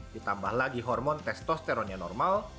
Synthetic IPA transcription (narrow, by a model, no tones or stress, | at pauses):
dit̪ambahlaɡiɦɔrmɔnt̪ɛst̪ɔst̪ɛɾonianɔ̰rmal